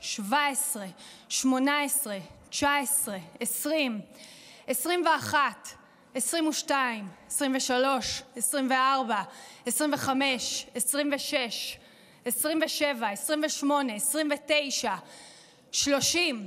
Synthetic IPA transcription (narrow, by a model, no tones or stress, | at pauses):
ʃvaesʁe̞ | ʃmo̞naesʁe̞ | t͡ʃaesʁe̞esʁim | esʁimve̞aχat | esʁimuʃtaimesʁimveʃalo̞ʃesʁimveaʁbaesʁimveχame̞ʃesʁimveʃe̞ʃ | esʁimveʃe̞vaesʁimveʃmo̞ne̞ːsʁimvete̞jʃa | ʃlo̞ʃim